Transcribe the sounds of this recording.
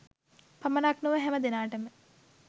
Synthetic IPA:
pɐmənaknuʋəɦɛməd̪enaːʈəmə

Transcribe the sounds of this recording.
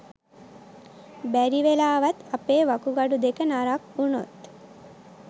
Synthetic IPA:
bæɾiʋelaːʋat̪apeːʋakuɡaɖud̪ekənaɾakuno̰t̪

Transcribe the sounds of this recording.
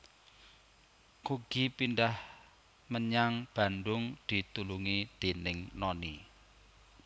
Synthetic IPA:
kuɡ̥ipindah | məɲaŋb̥a̤ndʊŋd̪̥i̤t̪uluŋid̪̥e̤nɪŋnɔni

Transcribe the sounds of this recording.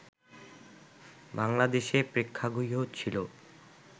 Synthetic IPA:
baŋlad̪eʃepɾekʰːaɡujɦot͡ɕʰilo

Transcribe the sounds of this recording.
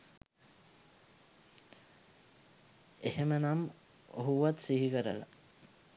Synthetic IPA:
ehemənam | o̰ɦuʋat̪siɦikəɾə̰la̰

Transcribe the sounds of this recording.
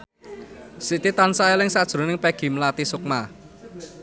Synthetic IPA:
siʔt̪it̪ansaelɪŋsad̥ʒ̥ɾo̤nɪŋpɛɡ̥i̤məlat̪isʊk̚ma

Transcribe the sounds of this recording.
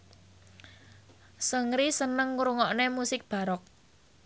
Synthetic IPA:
səŋɾisənəŋːuɾuŋɔʔnemusɪk̚b̥a̤ɾɔk̚

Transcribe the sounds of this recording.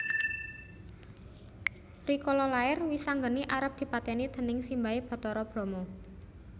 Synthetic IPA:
rikɔlɔlaɪrwisaŋɡəniʔaɾəp̚d̪̥i̤pat̪ɛnid̪̥ə̤nɪŋsimbaeb̥ɔ̤t̪ɔɾɔb̥ɾɔ̤mɔ

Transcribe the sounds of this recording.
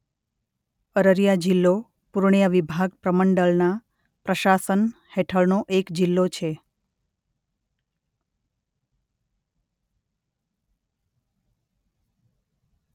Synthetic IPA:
əɾəɾjad͡ʒilːo | puɾɳijaʋibʱaɡ̚pɾəməɳɖəlna | pɾəʃasən | heʈʰəɭnoʔekd͡ʒilːot͡ʃʰe

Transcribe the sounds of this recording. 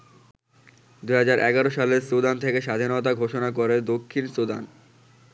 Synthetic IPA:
d̪uɦad͡ʑaɾʔɛ̰ɡaɾoʃaleɾsod̪ant̪ʰekeʃad̪ʱinot̪aɡʱoʃonakoɾed̪okʰːinsod̪a̰n

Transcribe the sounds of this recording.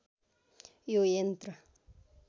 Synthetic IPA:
jojent̪ɾa

